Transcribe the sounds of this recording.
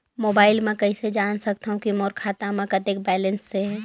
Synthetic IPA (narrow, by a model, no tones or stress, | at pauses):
moːbaːɪlmɛ̃kɐised͡ʒaːnsɐk̚t̪aɦũkimoːɾkʰaːt̪amẽkɐt̪ek̚bɛːlə̃nsːeɦɛː